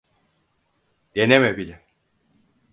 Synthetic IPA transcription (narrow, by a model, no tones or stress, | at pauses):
d̪enemɛbilʲɛ